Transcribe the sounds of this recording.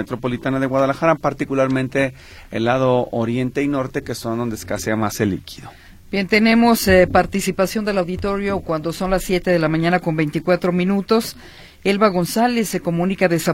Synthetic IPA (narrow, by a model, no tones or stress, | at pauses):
et̪ɾo̞po̞lit̪anaðe̞ɣwaðalaxaɾapaɾt̪ikulaɾmẽnt̪e̞̰ː | lːaðooɾje̞nt̪e̞ino̞ɾt̪eke̞so̞nd̪o̞nd̪eskaseamaselḭkʰi̥ðo | b̥je̞nt̪e̞nẽ̞mo̞spaɾt̪isipasjo̞nd̪e̞lawðit̪o̞ɾjo̞kwand̪o̞so̞nlasːje̞t̪eðe̞lamãɲãnako̞mbe̞jnt̪ikwat̪ɾo̞mĩnut̪o̞s | e̞lβaɣo̞nsale̞sːe̞ko̞mũnikaðe̞sa